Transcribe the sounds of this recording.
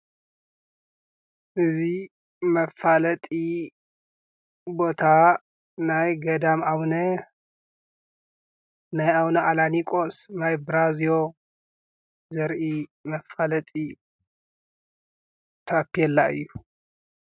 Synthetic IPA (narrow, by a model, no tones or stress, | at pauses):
ʔɨzi | mɐfalɐt̪ʼi | bo̞t̪ʰa | najɡɐd̪amaβnɐ | najawnɐʔalanikʼosnajbɨɾazijo | zɐɾʔimɐfalɐt̪ʼi | t̪ʰɐʔpːijɛlːaʔɨ̰jːu